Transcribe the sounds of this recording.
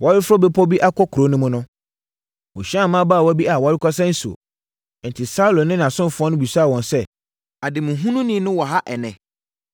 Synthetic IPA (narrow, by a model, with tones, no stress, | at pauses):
wa˨˦ɾɪ˦fʊ˦ɾɔ˦bɛ˦pʰɔ˦bi˦ʔa˦kʰɔ˦kʰɾo˨˦nʊ̃˦mʊ̃˦nʊ̃˦ | wʊ̃˨ɕi˦ã˦˨mã˦baː˦˨wɔ˨˦bi˦a˨wa˨˦ɾɪ˦kʰɔ˦s̬ɛ̃˦n̩˦su˨o̰˨ | n̩˨tʰɪ˨sa˦u˦lɔ̃˨nɪ̃˦ñ˨a˨sʊ̃˦m˨fʊ˨˦ɔ˦nʊ̃˦bi˨sa˦˨wɔ̃˨nsɛ˦ | a˨dɪ˨mʊ̃˨ɦũ˦nũ˦nĩ˦nʊ̃˦wɔ˨ɦa˦ʔɛ˨nɛ̃˨